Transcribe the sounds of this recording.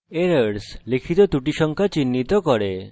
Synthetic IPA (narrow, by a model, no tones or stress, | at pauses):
eɾəɾslikʰit̪ɔt̪uʈiʃɔŋkʰat͡ɕinːit̪ɔkɔɾe